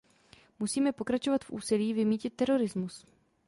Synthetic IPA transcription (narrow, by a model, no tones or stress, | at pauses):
musiːmɛpo̞kɾat͡ʃo̞vat̪fʔṵːsɪliːvɪmiːcɪt̪ːɛɾo̞ɾɪzmus